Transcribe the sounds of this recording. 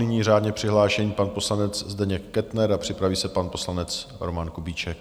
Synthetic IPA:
nɪɲiːraːd̪ɲɛpr̝̥ɪɦlaːʃɛɲiːpanposlanɛt͡szdɛɲɛkːɛt̪nɛɾapr̝̥ɪpɾaviːsɛpanpo̞slanɛt͡sɾomankubit͡ʃɛk

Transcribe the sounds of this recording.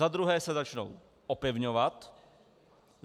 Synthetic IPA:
ad̪ɾuɦɛːsɛzat͡ʃno̰w | ʔopɪvɲovat̪

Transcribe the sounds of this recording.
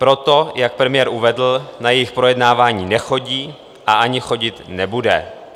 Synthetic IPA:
pɾo̞t̪ojak̚pɾɛmɪjɛːɾʔuvɛdl̩najɛjɪxpɾo̞jɛdnaːvaːɲiːnɛxo̞ɟiː | ʔaʔaɲɪxo̞ɟɪt̪nɛbudɛ̰

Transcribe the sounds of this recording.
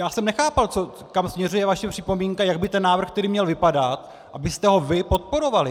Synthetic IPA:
jaːsɛmnɛxaːpalt͡so | kamsmɲɛrujɛvaʃɛpr̥ɪpo̞miːŋkajaɡbɪt̪ɛnːaːvr̩xk̚t̪ɛɾiːmɲɛlvɪpadat̪ | ʔabɪst̪ɛɦo̞vɪpo̞t̪̚po̞ɾo̞valɪ

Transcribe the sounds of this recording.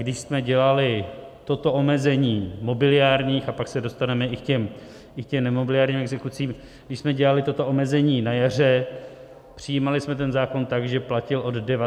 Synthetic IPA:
ɡdɪʃsmɛɟɛlalɪt̪o̞t̪o̞ʔo̞mɛzɛɲiːmo̞bɪlɪjaːɾɲiːxapaksɛdo̞st̪anɛmɛʔɪkcɛm | ʔɪkcɛmnɛmobɪlɪaːɾɲimɛɡzɛkut͡siːm | ɡdɪʃsmɛɟɛlalɪt̪ot̪o̞ʔo̞mɛzɛɲiːnajar̝ɛ | pr̝̥ɪjiːmalɪsmɛt̪̬ɛnzaːko̞nt̪aɡʒɛplacɪlʔo̞d̪dɛva

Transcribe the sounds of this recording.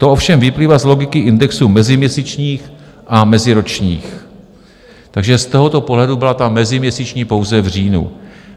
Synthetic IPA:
t̪oʔo̞fʃɛmvɪpliːvazlo̞ɡɪkɪʔɪndɛksuːmɛzɪmɲɛsit͡ʃɲiːx | ʔamɛzɪɾo̞t͡ʃɲḭːx | t̪aɡʒɛst̪o̞ɦot̪o̞poɦlɛdubɪlat̪amɛzɪmɲɛsit͡ʃɲiːpo̞wzɛvr̝iːnṵ

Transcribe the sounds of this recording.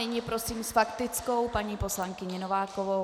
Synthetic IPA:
ɪɲɪpɾo̞siːmsfakt̪ɪt͡sko̞wpaɲiːpo̞slaŋkɪɲɛnovaːkovo

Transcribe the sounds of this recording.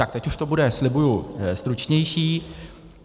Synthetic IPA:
ak̚t̪ɛcuʃt̪obudɛslɪbujust̪ɾut͡ʃɲɛjʃiː

